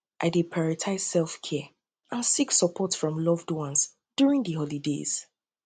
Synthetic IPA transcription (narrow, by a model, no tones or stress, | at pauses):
ʔa̰ɪdepʰɹaɹitʰaɪzsɛlˠfkʰɛ | ʔãnsiksəpʰɔtfɹɔ̃mlɔvdwɔ̃ns | d̥juɹĩŋðəhɔlidḛz̥